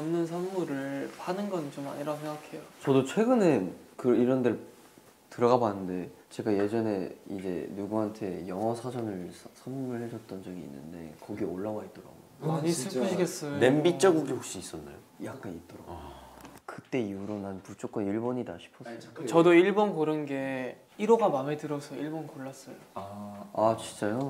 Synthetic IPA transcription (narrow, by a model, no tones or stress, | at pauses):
anːɯns̬ʰʌnmuɾɯɭpanɯnɡʌnt͡ɕoma̰ɲiɾaɡosʰeŋɡakʰe̞jot͡ɕʌdot͡ɕʰwe̞ɡɯnenkɯiɾʌndɯɭ | tɯɾʌɡabanːɯnde̞ | t͡ɕe̞ɡaje̞d͡ʑʌne̞id͡ʑe̞̰nuɡuɦantʰe̞jʌŋʌsʰad͡ʑʌnɯɭsʰʌnmuɾɯɭhed͡ʑʌt̚t͈ʌnd͡ʑʌɡḭːnːɯ̰nde̞̰kʌɡioɭːawaɦit͈ʌɾa̰ɡojoɲisʰɯɭpʰɯɕʰiɡes͈ʌnembit͡ɕ͈ʌɡuɡihokɕ͈iːs͈ʌnːa̰jo | jak͈̚anit̚t͈ʌɾa̰ɡ | kɯt͈e̞iuɾonanput͡ɕ͈ok͈ʌniɭboɲidaɕʰi̥pʰʌs͈ʌot͡ɕʌdoiɭbonkoɾɯnɡe̞ | iɾoɡamametɯɾʌsʰʌiɭbonkoɭːas͈ʌjoaat͡ɕit͡ɕ͈ajo